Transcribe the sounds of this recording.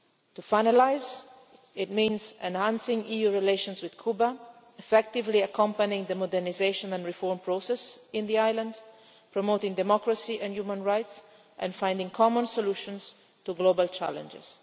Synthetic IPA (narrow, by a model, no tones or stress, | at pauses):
tufaɪnalaɪz | ɪt̚mĩnzɛ̃nhæ̃nsɪ̃ŋijuɹileɪʃɔ̃nzwɪð̥kʰuba | ɛfɛk̚tɪvliakʰʌ̃mpanɪ̃ŋðəmɔdɛɹnizeɪʃɔ̃nɛ̃nɹifɔɹmpʰɹosɛsɪ̃nðiajlãnd | pʰɹɔmoʊtɪ̃ŋdɛmɔkɹəsiʔɛ̃njumə̃nɹaɪts | ʔɛ̰̃nfãɪ̃ndɪ̃ŋkʰɔmɔ̃nsɔluʃɔ̃ns | tuɡloʊbalt͡ʃæ̰lə̰̃nd͡ʒɪ̰z̥